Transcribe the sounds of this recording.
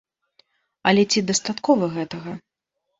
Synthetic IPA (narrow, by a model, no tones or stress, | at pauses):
ɐlʲɛt͡sʲid̪ɐst̪at̪kɔvɐɣɛt̪ɐɣɐ